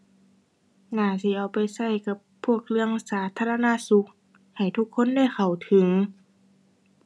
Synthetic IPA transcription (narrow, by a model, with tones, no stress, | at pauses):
naː˧˩siː˧˦ʔa˧wpa˨jsa˧˩jka˧˦pʰːu˧˥˩ək̚lɯ˧əŋsaː˨˦t̪ʰaː˧˨la˧na˧˥˨su˧˦k̚ | ha˨˩jt̪ʰu˧˥kʰːo˧˥˨nda˧˥˩jxʰa˨˩wt̪ʰɯ˨˦ŋ